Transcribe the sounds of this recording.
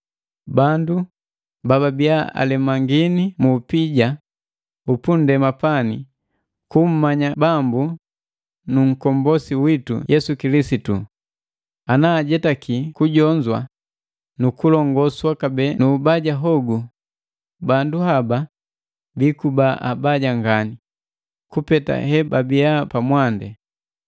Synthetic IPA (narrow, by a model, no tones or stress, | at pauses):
bandu | bababiaa̰lɛmaŋɡinimuːpiɟa | upundɛmapani | kum̩maɲabambu | nuŋ̩kɔmbɔsiwitṵjɛsukilisitṵ | anaːɟɛtakikuɟɔɲd͡ʒwa̰ | nukulɔŋɡɔswakabɛnubaɟaɦɔɡu | banduhaba | bikubaʔa̰baɟaŋɡani | kupɛta̰hɛbabiapamwandɛ